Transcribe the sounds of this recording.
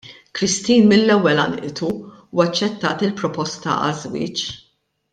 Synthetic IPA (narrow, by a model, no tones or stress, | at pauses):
kɾɪst̪iːnmɪnːɛwːɛlɐ̰nʔɪt̪u | uːɐt͡ʃːɛt̪ːɐːt̪ɪlpɾɔpɔst̪ɐ̰ʔɐ̰zwɪ̰ːt͡ʃ